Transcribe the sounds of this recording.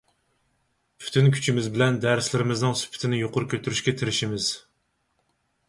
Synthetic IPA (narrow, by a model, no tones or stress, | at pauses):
pʰy̥t̪ʰynkʲʰy̥t͡ʃʰimɪzbɪlɛnd̪æɾslɪɾɪmɪznɨŋsy̥pʰɪ̥t̪ʰɪnɪjoqʊɾʊkʲʰøt̪ʰyɾyʃkʲɛt̪ʰɪɾɪʃimɪz̥